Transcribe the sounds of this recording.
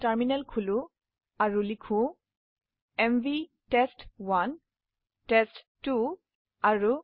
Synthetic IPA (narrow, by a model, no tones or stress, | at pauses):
taɹminɛlkʰulũ | aɹulikʰũ | ɛmvi | tɛstwan | tɛsttu | aɹu